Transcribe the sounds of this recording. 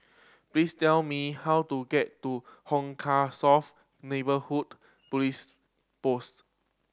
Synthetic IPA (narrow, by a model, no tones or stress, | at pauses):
plistɛlmihawtuɡɛtːuhɔ̃ŋkʰasɔf | nebəhud | plis | post